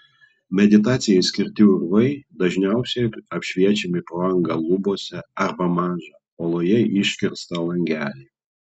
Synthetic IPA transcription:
mʲɛd̪ʲɪt̪ɑːt̪sʲɪjɛɪsʲkʲɪɾʲt̪ʲɪʊɾʋɐɪd̪ɐʒʲnʲæˑʊsʲɛɐpʲʃʲʋʲiɛt͡ʃʲɛmʲɪpɾoɐŋɡɐlˠʊboɔsʲɛɐɾbɐmɑːʒɑpoːlˠoːjɛʔɪʃʲkʲɪɾst̪ɐlˠɐŋʲɡʲæːlʲɛɪ

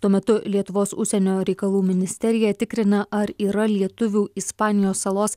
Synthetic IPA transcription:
t̪uɔmʲɛt̪ʊlʲiɛt̪ʊʋoːsʊ̰ʃʲsʲɛnʲoːɾʲɛɪkɐlˠuːmʲɪnʲɪsʲt̪ʲɛɾʲɪjɛt̪ʲɪkɾʲɪnɐʔɐɾiːɾɐlʲiɛt̪ʊʋʲuːɪspɑːnʲɪjoːsɐlˠoːs

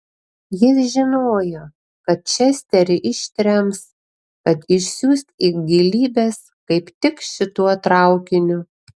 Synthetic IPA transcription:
jɪsʒʲɪnoːjoː | kɐt̪̚t͡ʃʲɛsʲt̪ʲɛɾʲɪʔɪʃʲt̪ʲɾʲɛms | kɐt̪ɪʃʲsʲuːsʲt̪iɡʲɪlʲiːbʲeːs | kɐɪpt̪ʲɪkʃʲɪt̪uɔt̪ɾɐˑʊkʲɪnʲʊ

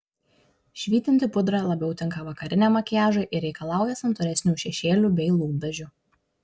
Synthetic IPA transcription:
ʃʲʋʲiːt̪ʲɪnʲt̪ʲɪpʊd̪ɾɐlˠɐbʲɛʊt̪ʲɪŋkɐʋɐkɐɾʲɪnʲɛmɐkʲæːʒoʔɪɾʲɛɪkɐlˠɑˑʊjɛsɐmt̪ɔɾʲɛsʲnʲuːʃʲɛʃʲeːlʲuːˑbʲɛɪlˠuːbʲɛʒʲʊ

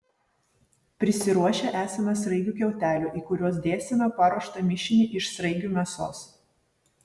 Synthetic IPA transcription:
pʲɾʲɪsʲɪɾuɔʃʲeʔæːsʲɐmɐsɾɐɪɡʲuːkʲɛʊt̪ʲæːlʲuːʔiːkʊɾʲuɔs̬d̪ʲeːsʲɪnoːpɑɾuɔʃt̪ɐmʲɪʃʲɪnʲiʔɪʃsɾɐɪɡʲuːmʲɛso̰ːs

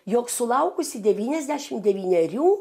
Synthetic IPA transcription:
joːksʊlˠɐʊkʊsʲɪd̪ʲɛʋʲiːnʲɛzʲd̪ʲæʃʲɪmd̪ʲɛʋʲiːnʲɛɾʲuː

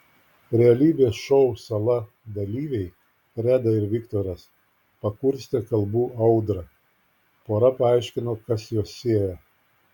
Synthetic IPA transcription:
ɾʲɛɐlʲiːbʲeːsʃɔʊsɐlˠɐ | d̪ɐlʲiːʋʲɛɪ | ɾʲæːd̪ɐɪɾʋʲɪkt̪oːɾʲɛs | pɐkʊɾʲsʲt̪ʲɛkɐlˠbuːʔɐʊd̪ɾɐ | poːɾɐpɐɐɪʃʲkʲɪnoːkɐsjoːsːʲeɛjɛ

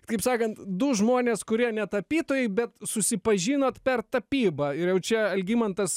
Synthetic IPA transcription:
kɐɪpsɑːkɐnt̪d̪ʊʒmoːnʲeːskʊɾʲiɛnʲɛt̪ɐpʲiːt̪oːjɛɪbʲɛt̪sʊsʲɪpɐʒʲiːnoːt̪pʲɛrt̪ɐpʲiːbɐɪɾjɛʊt͡ʃʲɛɐlʲɡʲiːmɐnt̪ɐs

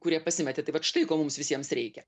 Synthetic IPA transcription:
kʊɾʲiɛpɐsʲɪmʲɛt̪ʲet̪ɐɪʋɐt̪ʃt̪ɐɪkoːmʊmsʋʲɪsʲiɛmsɾʲɛɪkʲɛ

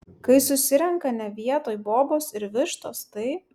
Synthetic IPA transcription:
kɐɪsʊsʲɪɾʲɛŋkɐnʲɛʋʲiɛt̪oːjboːboːsɪɾʋʲɪʃt̪oːst̪ɐɪ

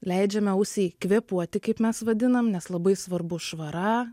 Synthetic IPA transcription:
lʲɛɪd͡ʒʲɛmʲɛʊsʲɛɪkʋʲiːpuɔt̪ʲɪkɐɪpmʲɛsʋɐd̪ʲɪnɐmnʲɛslˠɐbɐɪsʋɐrbʊʃʋɐɾɑ

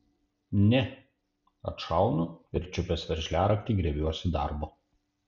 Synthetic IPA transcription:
nʲɛ | ɐ̰t̪ʃɑˑʊnʊɪɾʲt͡ʃʲʊpʲɛsʋʲɛɾʲʒʲlʲæːɾɐkt̪ʲiːɡɾʲɛbʲuɔsʲɪd̪ɑ̰ˑɾbo

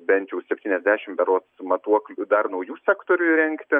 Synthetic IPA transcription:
bʲɛnʲt̪ʲjɛʊsʲɛpʲt̪ʲiːnʲɛzʲd̪ʲæːʃʲɪmbʲɛɾoːsmɐt̪uɔklʲʊd̪ɐrnɐʊjuːsʲækt̪oːɾʲʊɾʲɛŋkt̪ʲɪ

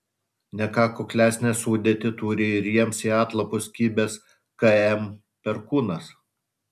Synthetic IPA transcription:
nʲɛkɑːkʊklʲæːsʲnʲɛsuːd̪ʲeɛt̪ʲɪt̪uːɾʲɪɪɾʲiɛmsiːɑːt̪lˠɐpʊskʲiːbʲes | kɐɛm | pʲɛɾkuːnɐs

